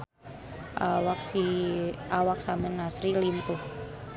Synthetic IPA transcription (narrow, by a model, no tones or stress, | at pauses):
ʔawaksi | awak̚samɛnːasɾilint̪uh